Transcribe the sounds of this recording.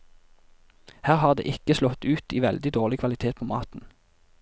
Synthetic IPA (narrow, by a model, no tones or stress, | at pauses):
hæːʁhɑːʁd̪ḛːʔɪkəslɔt̪ʉːt̪iːʋɛld̪ɪd̪oːʁlɪkʰʋɑlɪt̪ʰeːt̪̚pʰoːmɑ̰ːt̪n̩